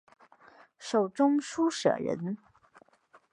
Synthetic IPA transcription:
ʂo˨˩ʊʈ͡ʂʊ˥ŋʂu˥ʂɤ̰˨˩ɻə̰˧˥n

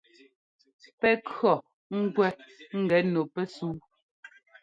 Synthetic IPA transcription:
pɛ˦kɰɔ˨ | ŋ̩˦ɡwɛ˦ŋ̩˦˨ɡɛ˨˦no˨pɛ˦suː˦

